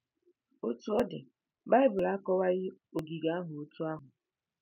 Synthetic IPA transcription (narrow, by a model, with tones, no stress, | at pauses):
o˦tu˦ɔ˦dɪ˨ | ba˦ɪ˦bʊ˨la˦kɔ˦wa˦ɣɪ˦o˨ɡi˨ɡa˨a˦ɦʊ˨o˨tʰu˦a˦ɦʊ˨